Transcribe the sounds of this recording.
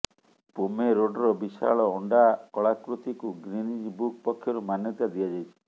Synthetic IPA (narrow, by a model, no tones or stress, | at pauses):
pomeɾoɖɔɾɔbisa̰ɭɔɔɳɖakɔɭakɾut̪ikuɡɾinid͡ʒbuk̚pɔkʰːjɔɾumanjɔt̪ad̪iad͡ʒajt͡ʃʰi̥